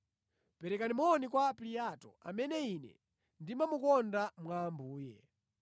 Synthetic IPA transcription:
pɛɾɛkanimɔːnikwapliatɔ̰a̰mɛnɛinɛ̰ | ndimamukɔndamwaːmbuːjɛ

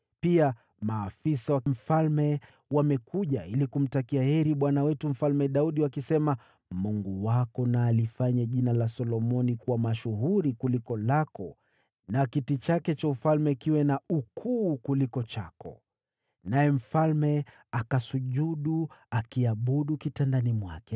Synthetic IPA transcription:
pia | maːfisawam̩falmɛ | wamɛkʰuʄailikum̩takiahɛɾiɓwanawɛtum̩falmɛɗauɗiwakisɛma | muŋɡuwakɔnaːlifaɲaʄinalasɔlɔmɔnikuwamaʃuɦuɾikulikɔlakɔ | nakitit͡ʃakɛt͡ʃaufalmɛkiwɛnaukʰuːkulikɔt͡ʃakɔ̰ | najɛm̩falmɛ | akasuʄuɗuakiaɓuɗukitandanimwakɛ

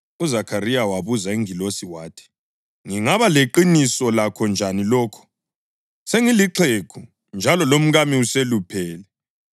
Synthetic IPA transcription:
uzakʰaɾijawaβuzaiŋilosiwaːtʰi̥ | ŋiŋaβaleǃinisɔlakʰɔnd͡ʒʱanilɔːkʰɔ̥ | seŋiliǁʰekʰu | nd͡ʒʱalɔlom̩ɣamiuselupʰɛːlɛ

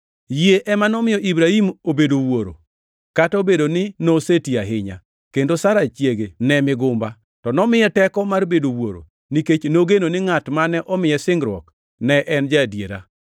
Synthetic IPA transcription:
jeʔɛmanɔmɪjɔʔibɾahimobedowoɾo̰ | kataobedonɪnosetiaɦɪɲa̰ | kendosaɾat͡ʃjeɡenɛmɪɡʊmba | tɔnɔmɪjɛtɛkɔmarbedowoɾo̰ | niket͡ʃnoɡenonɪŋatmanɛʔɔmɪjɛsɪŋɡɾwɔ̰k | nɛʔɛnd͡ʒadjeɾa̰

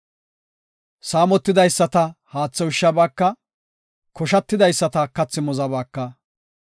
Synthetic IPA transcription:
saːmɔt̪ːɪd̪ɐjsːɐt̪ɐhaːt͡sːɐwɪʃːɐbaːkːɐ | kʰɔʃɐt̪ːɪd̪ɐjsːɐt̪ɐkɐt͡sːɪmɔzɐbaːkːɐ

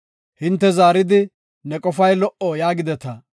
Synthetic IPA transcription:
hɪnt̪ːɛzaːɾɪd̪ɪ | nɛkʼɔfɐjlɔʔɔjaːɡɪd̪ɛt̪ɐ

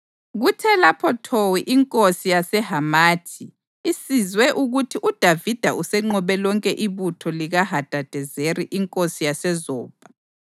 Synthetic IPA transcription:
ɣutʰɛlapʰɔtʰowiʔiŋkʼosijasɛɦamaːtʰiː | sizwɛʔuɣutʰiʔud̥ʱavid̥ʱaʔusɛŋ͡ǃɔβɛlɔŋkʼɛʔiβutʰɔliɣaɦad̥ʱad̥ʱɛzeriʔiŋkʼosijasɛzɔːb̥ʱa

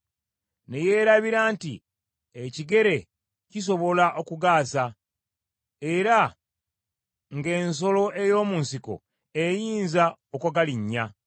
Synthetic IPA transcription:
ne̞je̞ːɾaβiɾaːntḭ | eciɡe̞ɾe̞ | cis̬o̞βo̞laʔo̞kuɡaːsa | e̞ɾa | ŋɡe̞ːns̬o̞lo̞ʔe̞jo̞ːmuːnsiko̞̰ | ejiːnzaokaɡaliɲːa

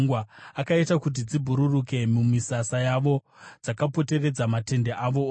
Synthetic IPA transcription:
ŋɡwaakaitakut̬id͡zibʱuɾuruke̞mumisasajaʋo̞ | d͡zakapo̞te̞re̞d͡zamate̞ndeʔaʋo̞

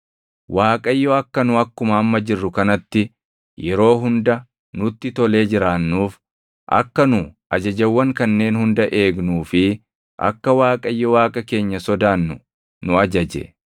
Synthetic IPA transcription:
waːkʼɐjːɔɐkːɐnʊɐkːʊmɐːmːɐd͡ʒɪrːʊkɐnɐt̪ːɪ | jɛɾo̞ːɦʊnd̪ɐ | nʊt̪ːɪt̪ɔle̞ːd͡ʒɪɾaːnːuːf | ʔɐ̰kːɐnʊʔɐd͡ʒɐd͡ʒɐwːɐŋkɐnːe̞ːnhʊnd̪ɐʔe̞ːɡnuːfɪ | ʔɐ̰kːɐwaːkʼɐjːɔwaːkʼɐke̞ːɲːɐsɔd̪aːnːʊ | nʊɐd͡ʒɐd͡ʒɛ̰

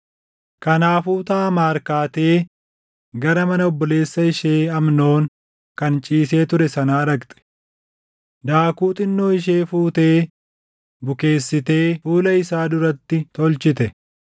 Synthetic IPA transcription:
kɐnaːfuːt̪aːmaːɾkaːt̪e̞ː | ɡɐɾɐmɐnɐɔbːɔle̞ːsːɐɪʃe̞ːɐmno̞ːŋ | kɐnt͡ʃʼiːse̞ːt̪ʊɾɛsɐnaːɾɐkt̪ʼɛ̥ | d̪aːkuːt̪ʼɪnːo̞ːɪʃ̬e̞ːfuːt̪e̞ː | bʊke̞ːsːɪt̪e̞ːfuːlɐɪsaːd̪ʊɾɐt̪ːɪt̪ɔlt͡ʃɪt̪ɛ

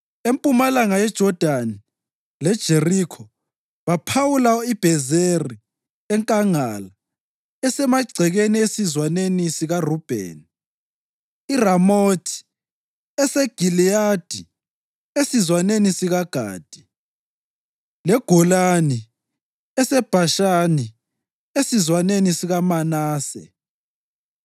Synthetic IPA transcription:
empʼumalaŋajɛd̥ʒ̥ʱɔd̥ʱani | lɛd̥ʒ̥ʱerikʰɔ | βapʰawulaɔib̥ʱɛzeri | ɛŋkʼaŋala | ɛsɛmaɡ͡ǀʱɛɣeniesizwanenisiɣarub̥ʱḛni | iramotʰi̥ | ɛsɛɡ̥ʱiliad̥ʱi | esizwanenisiɣaɡ̥ʱa̰ːd̥ʱi̥ | lɛɡ̥ʱɔlani | ɛsɛb̥ʱaʃani | esizwanenisiɣamanaːsɛ̰

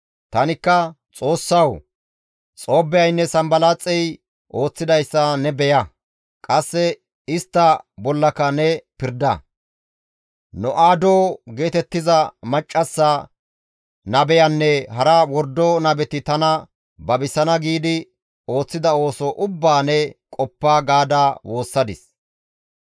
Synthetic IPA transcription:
t̪ɐnɪkːɐ | t͡sʼo̞ːsːɐw | t͡sʼo̞ːbɛjɐjnːɛsɐmbɐlat͡sʼːɛj | ʔo̞ːt͡sːɪd̪ɐjsːɐnɛbɛjɐ | kʼɐsːɛ | ɪst̪ːɐbɔlːɐkɐnɛpɪɾd̪ɐ̰ | nɔʔaːd̪oːɡe̞ːt̪ɛt̪ːɪzɐmɐt͡ʃʼːɐsːɐ | nɐbɛjɐnːɛɦɐɾɐwɔɾd̪ɔnɐbɛt̪ɪt̪ɐnɐ | bɐbɪsɐnɐɡiːd̪ɪ | o̞ːt͡sːɪd̪ɐo̞ːsɔʔʊbːaːnɛkʼɔpːaːɡaːd̪aːwo̞ːsːɐd̪ɪs

